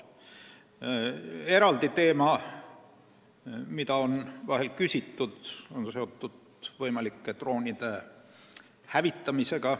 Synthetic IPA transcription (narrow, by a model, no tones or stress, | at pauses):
e̞ɾɑld̪it̪e̞ːmɑ | mid̪ɑo̞nvɑɦelkysʲit̪ːud̪̥o̞nse̞o̞t̪ːud̪̥ | vɤjmɑlikːet̪ro̞ːnʲid̪̥e̞ | hævit̪ːɑmise̞ɡ̥ɑ